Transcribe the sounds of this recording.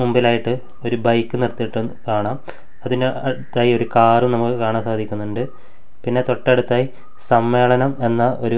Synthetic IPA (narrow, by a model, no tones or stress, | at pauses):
mumbilaːjiʈːɨ | o̞ɾubɐjkːɨnirt̪ːiʈːɨkaːɳaːm | ɐðineɐɽut̪ːaːjio̞ɾukaːrumnɐmukːɨkaːɳaːmsaːd̪ʱikʲːunːuɳɖɨ | pinːe̞t̪o̞ʈːɐɐɽut̪ːaːji | sɐmːe̞ːɭɐnɐme̞nːɐʔo̞̰ɾu